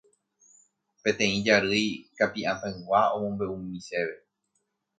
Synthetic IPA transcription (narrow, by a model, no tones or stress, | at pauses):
pe̞t̪ẽ̞ĩd͡ʒaɾɨjkapiʔãt̪ãɨ̃waõmõ̞mbe̞ũmĩse̞ʋe̞